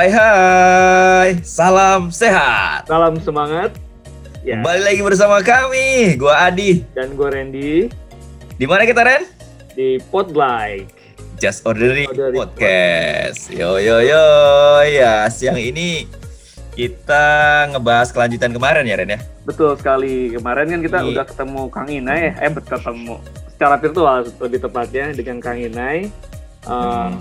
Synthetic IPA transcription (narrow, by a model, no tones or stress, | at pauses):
ajɦa | jsalamseɦat̪salamsəmaŋat̪̚ | əbalilaɡibərs̬amakamiɡuaːdidanɡuaɾɛndi | dimanakit̪aɾɛn | dipɔt̪̚blajk̚ | d͡ʒasodəɾidpɔt̪̚kɛsjojojojasəjaŋini | kit̪aŋəbaɦaskəlaɲd͡ʒut̪ankəmaɾɛnjaɾɛnjabət̪ʊlsə̥kalikəmaɾɛnkankit̪audahkə̥t̪əmukaŋinajaabət̪ət̪əmu | sə̥t͡ʃaɾapɪrt̪ualəbɪht̪əpat̪̚ɲadəŋankaŋinaj | ʔə